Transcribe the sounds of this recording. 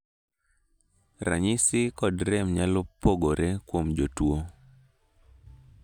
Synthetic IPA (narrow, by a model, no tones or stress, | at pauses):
ɾa̰ɲɪsɪkɔdɾɛmɲalɔpːoɡoɾekwomd͡ʒotwo